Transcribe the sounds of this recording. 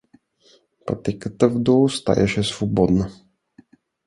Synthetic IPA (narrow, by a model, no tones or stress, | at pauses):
pɐ̰t̪ɛkət̪əvd̪ɔlˠst̪a̰jɛ̰ʃɛsvobɔd̪nə